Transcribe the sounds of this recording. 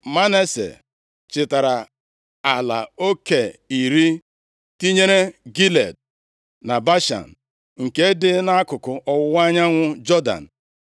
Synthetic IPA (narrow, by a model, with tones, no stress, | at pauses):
ma˦ne˦sḛ˨ | t͡ʃɪ˨ta˨ɾa˨ | a˨la̰˨o˦ke˨i˨ɾi˦ | ti˦ɲe˦ɾe˦ɡi˦le˨d̚ | na˨ba˦ʃa̰˨n̩˨ | ŋ̩˨ke˦dɪ˦na˦a˦kʊ˨kʊ˨ʔɔ˨wʊ˦wa˦ɲa˦ŋʷʊ˦d͡ʒɔ˦da̰˨n̩˨